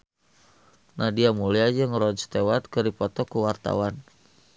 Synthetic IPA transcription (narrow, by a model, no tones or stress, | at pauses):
nahdiamuliad͡ʒəŋɾɔnst̪ewat̪̚kərdipɔt̪ɔkuwart̪a̰wan